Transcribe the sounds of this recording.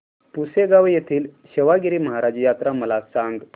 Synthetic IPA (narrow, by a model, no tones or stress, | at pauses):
puseɡaʋejet̪ʰiːlɕeʋaɡiɾiːməɦaɾad͡ʑjat̪ɾaməlasaŋɡ